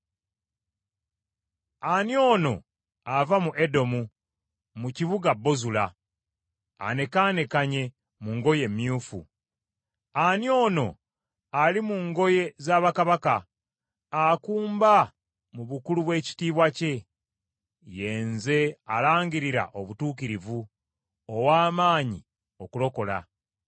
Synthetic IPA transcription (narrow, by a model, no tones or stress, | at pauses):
anjo̞ːno̞̰ | avamuʔedo̞mu | muciβuɡabːo̞zula | a̰ne̞kaːne̞kaɲe̞ | muŋɡo̞je̞mːjuːfṵ | anjo̞ːno̞ | alimuŋɡo̞je̞zaːβakaβakaː | kuːmba | muβukuluβwe̞ːci̥tiːβwace̞ | je̞ːnze̞alaːɲɟiɾiɾa̰ʔoβutuːkiɾivu | owaːmaːɲi | o̞kulo̞ko̞la̰